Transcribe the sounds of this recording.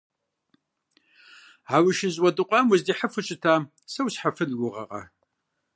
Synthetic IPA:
ʕawɪʃɪzʼwɐdɨqʷʼɑːmʊzdiːħəfɨɕʼɪtʰaː | sɐwsħafɨnɡʷʊʁɐ̰qʼɐ̰

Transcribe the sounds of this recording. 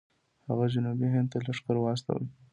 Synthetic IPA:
ha̰ɣad͡ʒʊnubiɦɪnd̪̚t̪alaʂkəɾwɑs̬t̪a̰wə̰

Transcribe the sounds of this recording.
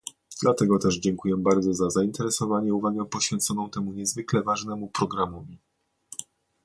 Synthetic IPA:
d̪̥lat̪ɛɡɔt̪ɛʐd͡ʑɛŋkujɛbaɾd̪zɔzazaint̪ɛɾɛsɔvaɲɛuvaɡɛpɔɕfʲjɛnt̪sɔnɔ̃w̃t̪ɛmuɲɛzvɘklɛvaʐnɛmupɾɔɡɾamɔvʲi

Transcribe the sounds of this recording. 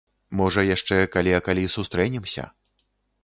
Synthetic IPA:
mɔʐɐjaʂt͡ʂɛkalʲiɐkalʲisust̪ɾɛnʲimsʲɐ̰

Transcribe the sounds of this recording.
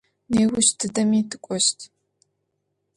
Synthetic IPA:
neːwʊʃtʰɨdɐmiːtʰɨkʷʼɔʃtʰ

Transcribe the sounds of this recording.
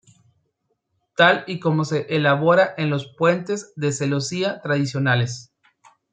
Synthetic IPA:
t̪aliko̞mo̞se̞ʔelaβo̞ɾaʔenlo̞spwe̞nt̪e̞zðe̞selo̞siat̪ɾaðisjo̞nales

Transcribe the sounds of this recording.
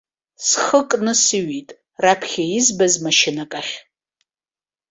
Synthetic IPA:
sχəkʼnɨsɨɥitʼ | rapʰχʲaizbazmaʃɪnakʼaχʲ

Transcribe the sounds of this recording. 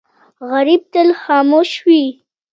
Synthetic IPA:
ɣaɾib̚t̪əlxɑːmoʃwi

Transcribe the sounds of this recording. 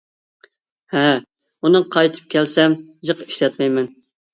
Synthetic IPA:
hɛ | unɨqʰɑjt̪ʰɨ̥p̚kʲɛlsɛmjəqi̥ʃlɛt̪̚mɛjmɛn

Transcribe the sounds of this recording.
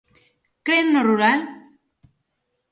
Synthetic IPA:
kɾenːoruɾal

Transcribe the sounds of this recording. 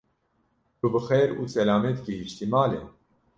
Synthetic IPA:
bubɨxeːɾuːsɛlaːmɛt̪kihiʃt̪imaːlḛ

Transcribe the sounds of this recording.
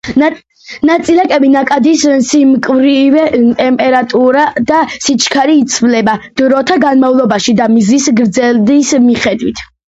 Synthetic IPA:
nat̪sʼilɛkʼɛbinakʼad̪issimkʼvɾivɛt̪ʼɛmpʼɛɾat̪ʼuɾad̪asit͡ʃʰkʰaɾiːt̪sʰvlɛbad̪̥ɾɔt̪ʰaɡanmavlˠɔbaʃid̪amizisɡɾd̪zɛld̪ismiχɛd̪wit̪ʰ

